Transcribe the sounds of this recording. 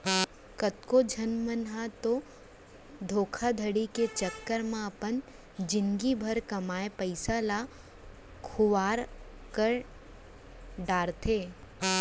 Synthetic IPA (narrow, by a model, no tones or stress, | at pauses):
kət̪kod͡ʒʱɐnmənɦat̪o | d̪ʱoːkʰad̪ʱəɽiket͡ʃəkːəɾmãɐpən | d͡ʒɪŋɡibʱɐɾkɐmaːepəɪsala | kʰʊʋaːɾ | kəɾ | ɖaːɾt̪ʰeː